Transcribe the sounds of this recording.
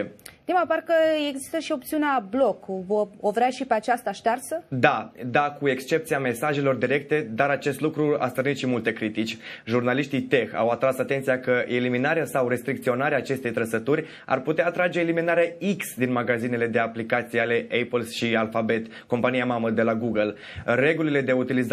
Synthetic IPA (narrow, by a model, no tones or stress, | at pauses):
niməparkəeɡzi̥st̪əʃio̞pt̪siuneablo̞kvəovɾeaʃipeat͡ʃast̪aʃt̪arsəd̪ad̪akue̞kst͡ʃe̞p̚t̪siame̞saʒe̞lo̞rd̪iɾe̞k̚t̪e̞d̪aɾat͡ʃe̞st̪lukɾua̰st̪ərnit̪ʃimult̪e̞kɾit̪it͡ʃʲʒurnaliʃt̪it̪e̞xa̰wat̪ɾasat̪e̞nt̪sijakəʔeliminaɾeasawɾe̞st̪ɾik̚t̪sio̞naɾeaːt͡ʃe̞st̪e̞jt̪ɾəsət̪urʲ | a̰rput̪eaːt̪ɾad͡ʒe̞ːliminaɾeaiksd̪inmaɡazine̞le̞d̪e̞aplikat̪sijale̞ʔepəlʃialfabe̞t̪ | ko̞mpanijamaməd̪e̞laɡuɡəl | re̞ɡulile̞d̪e̞ut̪iliz